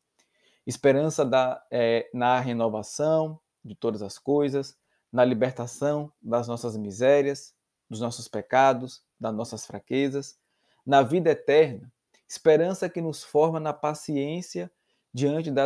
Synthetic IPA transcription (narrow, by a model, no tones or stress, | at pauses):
ispeɾɐ̃sɐɐɛnɐɦenɔvasɐ̃w̃ | d͡ʒɪt̪od̪ɐzɐskojzɐs | nɐlibeɾt̪asɐ̃w̃d̪ɐznɔsɐzmizɛɾiɐz | d̪ʊznɔsʊspekad̪ʊs | d̪ɐznɔsɐsfɾa̰kezɐs | nɐvid̪ɐɛt̪ɛɾnɐ | ispeɾɐ̃sɐkɪnʊsfɔɾmɐnɐpasiẽsiɐ | d͡ʒiɐ̃t͡ʃɪd̪ɐ